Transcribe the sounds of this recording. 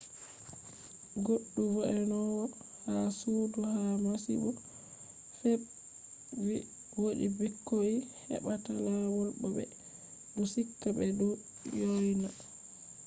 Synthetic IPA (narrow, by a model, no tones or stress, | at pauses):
ɡoɗːuvɔʔɛnɔwɔ | hasuduhamasḭɓɔ | hɛb | i | woɗḭbikːoihɛ̰ɓatalawɔlɓɔɓɛ̰ | dɔsikːabɛdɔ | jɔjna